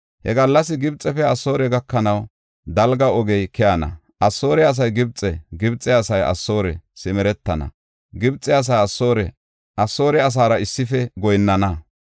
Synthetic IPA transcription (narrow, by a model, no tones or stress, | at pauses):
hɛ̰ɡɐlːɐs̬ɪɡɪbt͡sʼːɛfɛɐsːo̞ːɾɛɡɐkːɐnɐw | d̪ɐlɡɐɔɡɛjkɛjɐnɐ̰ | ʔɐsːo̞ːɾɛɐs̬ɐjɡɪbt͡sʼːɛɡɪbt͡sʼːɛɐsɐjɐ̰sːo̞ːɾɛ̰sɪmɛɾɛt̪ːɐnɐ̰ | ɡɪbt͡sʼːɛɐs̬aːɐsːoːɾɛ | ʔɐsːo̞ːɾɛɐs̬aːɾɐɪsːɪfɛɡɔjnːɐnɐ